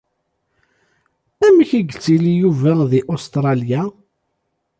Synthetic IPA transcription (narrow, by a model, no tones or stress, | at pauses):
æmçiɡət͡sːilijuvæðiʔost̪ɾˤɑlja